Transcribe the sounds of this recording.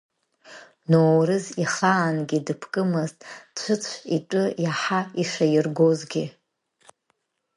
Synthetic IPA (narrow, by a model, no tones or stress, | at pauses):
nowɾɨziχaːnɡʲidɨpʰkʼɨmɨztʼt͡ʃʷʰɨt͡sʷʰitʷʼʊjaħaiʂajɪrɡozɡʲi